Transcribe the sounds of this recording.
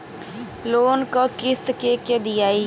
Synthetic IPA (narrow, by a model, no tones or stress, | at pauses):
loːnkokɪst̪keked̪ɪjaːiː